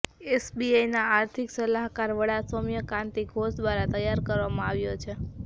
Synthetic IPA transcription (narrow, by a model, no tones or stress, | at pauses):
esbiajnaːɾt̪ʰiksəlaɦkaɾʋəɽasomjəkãnt̪iɡʱosd̪ʋaɾãt̪əjaɾkəɾʋamãaʋjot͡ʃʰe